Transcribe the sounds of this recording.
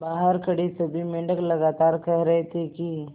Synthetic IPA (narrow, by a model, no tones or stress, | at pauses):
baːɦəɾkəɽisɐbʱimɪ̃ɳɖəklɐɡaːt̪aːɾkɐɦɾɐɦet̪ʰeki